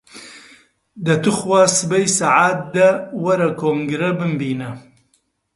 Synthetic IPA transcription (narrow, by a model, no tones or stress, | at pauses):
d̪ɐt̪uxwaːsɨbɐjsaʕaːt̪̚d̪ɐwɐɾɐkoːŋɡɾɐbɨmbiːnɐ